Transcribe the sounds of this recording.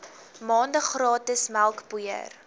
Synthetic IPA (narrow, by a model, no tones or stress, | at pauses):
mɑːndəχrɑːtəsmælˠkbujə̰r